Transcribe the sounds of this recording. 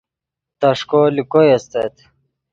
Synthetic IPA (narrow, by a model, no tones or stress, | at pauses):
t̪ɐʂkolikojɐst̪et̪